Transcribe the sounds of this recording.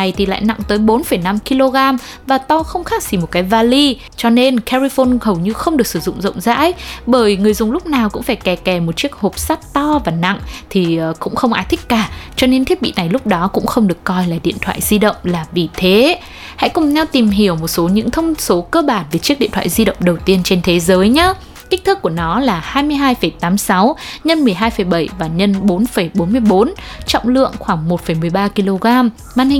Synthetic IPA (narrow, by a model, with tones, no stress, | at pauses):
a˨˩jt̪ʰi˨˩la̰ː˧˨jna̰˧˨ŋt̪əː˨˦jɓo˨˦nfə˧˩jna˧mki˧lo˧ɣaː˧m | vaː˨˩t̪a˧wxə˧wŋ͡mxaː˦˥k̚si˨˩mo˨˩t̚kaː˨˦jvaː˧li˧ | t͡ɕɔ˧ne˧nkʰɛ˧ɹi˧fo˧nhə˨˩wɲɨ˧xə˧wŋ͡mɗɨ˨˩ək̚sɨ˧˩zʊ̰˧˨ŋ͡mzə̰˧˨wŋ͡mza̰ː˧˥jɓəː˧˩jŋɨ˨˩əjzʊ˨˩ŋ͡mlʊ˦˥k͡p̚naː˨˩wkʊ̰˧˥ŋ͡mfaː˧˩jkɛ˨˩kɛ˨˩mo˨˩t̚t͡ɕi˦˥ək̚ho˨˩p̚saː˦˥t̚t̪ɔ˧vaː˨˩na̰˧˨ŋt̪ʰi˨˩˨kʊ̰˧˥ŋ͡mxə˧wŋ͡mʔaː˨˦jt̪ʰï˦˥k̟̚kaː˨˩t͡ɕɔ˧ne˧nt̪i˦˥əɓḭ˧˨na˨˩jlʊ˦˥k͡p̚ɗɔ˨˦kʊ̰˧˥ŋ͡mxə˧wŋ͡mɗɨ˨˩əkːɔ˧jlaː˨˩ɗḭ˧˨ənt̪ʰwa̰ː˧˨jzi˧ɗə̰˧˨wŋ͡mlaː˨˩vi˨˩t̪ʰe˨˦ | ha̰˧˥jkʊ˨˩ŋ͡mɲa˧wt̪i˨˩mɦi˧˩əwmo˨˩t̚so˨˦ɲɨ̰˧˥ŋt̪ʰə˧wŋ͡mso˨˦kəː˧ɓaː˧˩nve˨˩t͡ɕi˦˥k̚ḭ˧ənt̪ʰa̰ː˧˨zi˧ɗə̰˧˨wŋ͡mɗə˨˩wt̪i˧ənt͡ɕe˧nt̪ʰe˨˦zəː˨˦jɲa˨˦ | kï̟˦˥t̪ʰɨ˦˥kːu˧˩ənɔ˨˦laː˨˩haː˧jmɨ˧əjɦaː˧jfə˧˩jt̪aː˨˦msa˨˦wɲə˧nmɨ˨˩əjɦaː˧jfə˧˩jɓə˧˩jvaː˨˩ɲə˧nɓo˨˦nfə˧˩jɓo˨˦nmɨ˧əjɓo˨˦nt͡ɕɔ̰˧˨wŋ͡mlɨ̰˧˨əŋxwaː˧˩ŋmo˨˩t̚fə˧˩jmɨ˨˩əjɓaː˧ki˧lo˧ɣaː˧m | maː˧˨nhi˨